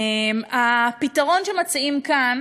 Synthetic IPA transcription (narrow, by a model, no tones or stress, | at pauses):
mapitaʁo̞nʃe̞mat͡siimkan